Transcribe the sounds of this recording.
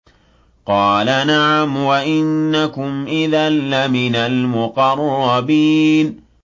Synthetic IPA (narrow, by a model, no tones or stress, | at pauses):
qɑːlanaʕamwaʔɪnːakʊmʔɪðalːamɪnalmʊqɑrˤːɑbiːn